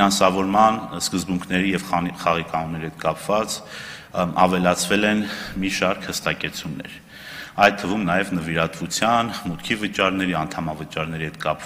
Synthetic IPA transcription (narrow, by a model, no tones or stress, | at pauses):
ɑnsɑvɔɾmɑnskəzbuŋkʰnɛɾijɛvχɑʁikɑnumnɛɾihɛt̪̚kɑpvɑt͡s | ɑ̰vɛlɑt͡sʰvɛlɛnmiʃɑɾkʰhəst̪ɑkɛt͡sʰunːɛ̰ɾ | ɑjt̪ʰːəvumnɑjɛvnəviɾɑt̪vut͡sʰjɑnmut̪̚kʰivət͡ʃɑɾnɛɾiɑnt̪ʰɑmɑvət͡ʃɑɾnɛɾihɛt̪̚kɑp